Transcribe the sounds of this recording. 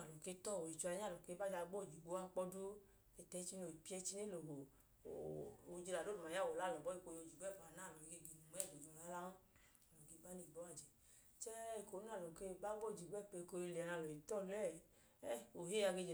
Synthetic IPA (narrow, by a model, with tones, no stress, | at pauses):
a˨lɔ˨ke˦tɔ˦˨o˨i˨t͡ʃu˧a˧ɲa˦˨ɔ˨ke˨˦ba˦d͡ʒa˧ɡ͡bo˦˨d͡ʒi˨ɡ͡bo˨˦a˧k͡pɔ˧do˦ | ɛ˨tɛ˨˦t͡ʃi˧no˨i˨pi˦ɛ˧t͡ʃi˧ne˦lo˨ɡo˨ | o˨d͡ʒi˧la˨o˦ba˨ja˦˨wo˨la˨˦˨lɔ˨bɔ˨˦i˦˧ko˧jo˧˨d͡ʒi˨ɡ͡bo˦ɛ˦˨fa˨na˦˨lo˨i˨ɡe˧˨ɡi˨nu˨m˦ɛ˦˨ɡo˨d͡ʒɔ˨la˨˦la˦ | a˨lɔ˨ɡe˨˦ba˦ni˦˨bɔ˨˦a˦˨d͡ʒɛ˨ | t͡ʃɛ˦i˨ko˨˦na˦˨lo˨ke˧˦ba˦ɡ͡bo˦˨d͡ʒi˨ɡ͡bɛ˦˨pe˧ko˧i˧le˨a˨na˧˨ɔ˨i˨tɔ˦˨lɛ˦˨ | ɛ˦o˨he˦a˧ɡe˧d͡ʒɛ˨